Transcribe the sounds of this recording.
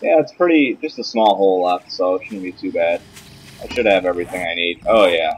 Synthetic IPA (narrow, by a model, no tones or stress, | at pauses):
jæɨtspʰɹ̥ɪɾid̥d͡ʒʌstəsmɔlˠɦoʊlˠɛfsoʊʃɨdn̩bitʰʉbæd̥ | ʔaɪʃɨɾ̚ɨvɛvɹiθɪ̃ŋaɪnid̥̚oʊjæ